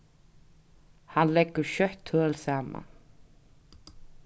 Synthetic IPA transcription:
hanlɛkːʏɾʃœht̪ʰːœːlsaːma̰n

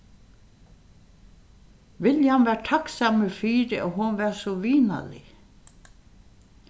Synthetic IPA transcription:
ʋɪljhanʋæːʈʰaksaməfiːɾɪoːɦʊnʋæːsɔʋiːna̰lɪ̰

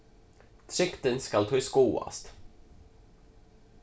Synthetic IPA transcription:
t̪ʰɾɪkt̪ənskalt̪ʰɑːɪskuːa̰st̪

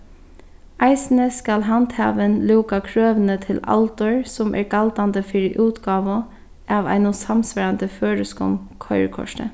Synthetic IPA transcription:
ʔæɪsn̩əskɑlɦɑndt̪hɑ̰ːʋənluːkɑkʰɾøːʋnət̪ʰɪlɑ̰lt̪ɔɹsɔmʔæ̰ːɹɡ̥ɑld̪ɑnd̪əfɪɾiʔʉːt̪ɡɑːʋʊ | ʔɑːʋæ̰ɪnʊsɑmsʋæɾɑnd̪əføːɾəskɔ̰mkʰɔʏə̰ɹkʰɔ̰ʃʈə̰

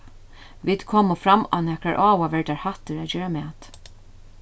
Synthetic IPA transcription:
viːd̪̥kʰɔːmʊfɾama̰nɛkɾaɹʔaːwaʋɛɹd̪aɹhat̪əɾaːd͡ʒøːɾamɛːt̪

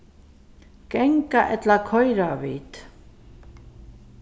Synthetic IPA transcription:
kɛŋkaʔɛt̪lakʰɔjɾavḭːt̪

